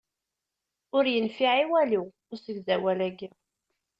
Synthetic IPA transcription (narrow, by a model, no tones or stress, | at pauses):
ʊɾjənfiʕiwæli | ʊɾsəɡzæwælæɡi